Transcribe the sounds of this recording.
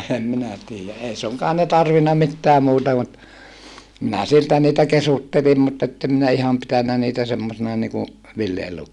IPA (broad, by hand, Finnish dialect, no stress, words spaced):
ehem minæ tiːjæ ʔei suŋkɑːn ne tɑrʋinːɑ mitːæː muːtɑ mut minæ siltæ niːtæ kesutːelim mutː etːem minæ ihɑm pitænːæ niːtæ semːosinɑ niku ʋilːielukːoinɑ